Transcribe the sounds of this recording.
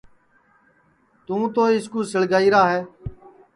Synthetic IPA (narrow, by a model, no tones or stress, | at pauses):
t̪ũːt̪oːɪskuːsəɭɡaːiːɾaːɦɛː